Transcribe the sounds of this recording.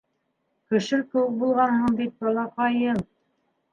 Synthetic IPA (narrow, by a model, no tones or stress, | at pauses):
kɘ̆ʃɘkɘ̆wɘk̚bulˠʁɑnhɤɴd̪it̪̚bɑ̆lˠɑqɑjɤn